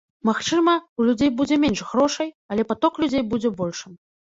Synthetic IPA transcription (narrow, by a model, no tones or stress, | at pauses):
maxt͡ʂɨmɐulʲud͡zʲejbud͡zʲɛmʲɛnʂɣɾɔʂɐj | ɐlʲɛpat̪ɔklʲud͡zʲejbud͡zʲɛbɔlʲʂɨm